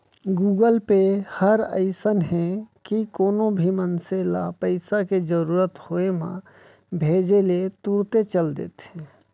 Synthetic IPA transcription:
ɡuːɡəlpehəɾə̰ɪsənɦɛkikoːnobʱimənselapəɪsaked͡ʒəɾuːɾət̪hoemã̰ | bʱeːd͡ʒelet̪uɾt̪et͡ʃəld̪ḛːt̪ɦɛ̃

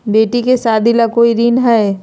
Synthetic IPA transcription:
beːʈikesaːd̪ʱilakoːiɾiːnɦɛe

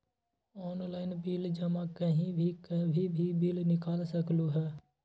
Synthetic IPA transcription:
ɔːnlaːɪnbiːld͡ʒəmãkəɦĩbʱikəbʱibʱibiːlnɪkaːlsəkluɦɛː

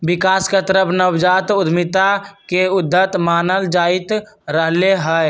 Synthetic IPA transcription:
bɪkaːsket̪əɾəpʰnəwd͡ʒaːt̪ʊd̪ʱmɪt̪akeʊd̪ʱːət̪maːnəld͡ʒaːɪt̪ɾəɦleɦɛ

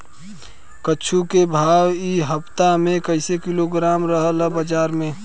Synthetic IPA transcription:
kəːt͡ʃʰukebʱaːwiɦəpt̪amẽkəɪsekɪloɡɾaːmɾəɦələbəd͡ʒaːɾmẽ

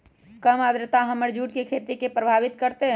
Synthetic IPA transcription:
kəmad̪ɾət̪aɦəməɾd͡ʒuːʈkekʰeːt̪ikepɾəbʱaːʋɪt̪kəɾt̪eɦɛ̃

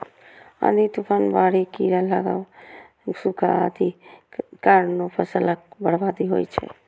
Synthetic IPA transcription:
a̰d̪it̪upʰaːnbaːɽikiɾalaɡa̰ | sukʰaad̪i | kaɾnopʰəsələk̚bəɽbaːd̪iɦo̰jt͡ʃʰɛ̰

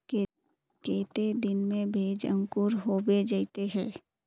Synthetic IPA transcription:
ke | keːt̪ed̪ɪnmẽbʱeːd͡ʒə̰̃ŋkʊɾɦoːbed͡ʒaːɪt̪eɦɛ̃ː

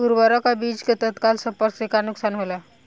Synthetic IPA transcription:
uɾbəɾɔkabid͡ʒket̪ət̪kalsəmpəɾksekanuksanɦola

